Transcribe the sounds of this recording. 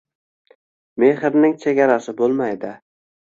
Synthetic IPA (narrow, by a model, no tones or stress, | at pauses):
me̞hɪɾnɪŋt͡ʃʰe̞ɡʲaɾasɪbolˠmajd̪ɪ